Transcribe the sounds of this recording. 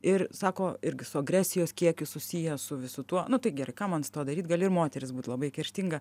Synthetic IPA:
ɪrsɑːkoːɪɾʲɡʲɪsʊɐɡɾʲæːsʲɪjoːskʲiɛkʲʊsʊsʲijɛsʊʋʲɪsʊt̪uɔnʊt̪ɐɪɡʲɛɾɐɪkɑːmɐnsɪ̥t̪oːd̪ɐɾʲiːt̪ɡɐːlʲɪɾmoːt̪ʲɛɾʲɪsbuːt̪lˠɐbɐɪkʲɛɾʲʃʲt̪ʲiŋɡɐ

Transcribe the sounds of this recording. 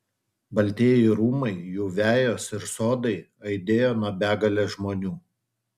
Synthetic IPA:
bɐlʲˑt̪ʲeːjɛɪɾuːmɐɪjuːʋʲæːjoːsɪɾsoːd̪ɐɪɐɪd̪ʲeːjoːnuɔbʲæːɡɐlʲɛʒmoːnʲuː

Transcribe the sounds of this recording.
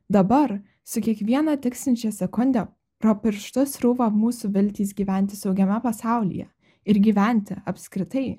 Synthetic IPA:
d̪ɐbɐɾ | sʊkʲiɛkʋʲiɛnɐt̪ʲɪksʲɪnʲt͡ʃʲɛsʲɛkʊnʲd̪ʲæ | ɾopʲɪɾʃt̪ʊsɾuʋɐmuːsuʋʲɪlʲt̪ʲiːs̬ɡʲiːʋʲæˑnʲt̪ʲɪsɒʊɡʲɛmʲɛpɐsɑˑʊlʲḭjɛ̰ | ɪɾɡʲiːʋʲæˑnʲt̪ʲɪɐpʲskɾʲɪt̪ɐɪ

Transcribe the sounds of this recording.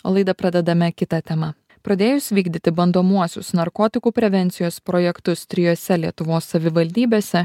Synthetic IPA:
o̰ːlˠɐɪd̪ɐpɾɐd̪ʲɛd̪ɐmʲɛkʲɪt̪ɐt̪ʲɛmɐ | pɾɐd̪ʲeːjʊsʲʋʲiːɡd̪ʲɪt̪ʲɪbɐnd̪oːmuɔsʲʊsnɐɾkoːt̪ʲɪkuːpʲɾʲɛʋʲɛnʲt̪sʲɪjoːspɾoːjɛkt̪ʊst̪ʲɾʲɪjoːsʲɛlʲiɛt̪ʊʋoːsːɐʋʲɪʋɐlʲd̪ʲiːbʲeːsʲɛ

